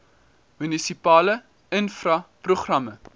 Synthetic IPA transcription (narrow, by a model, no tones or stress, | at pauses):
mynisipɑːlə | ənfrɐpruχrɐmə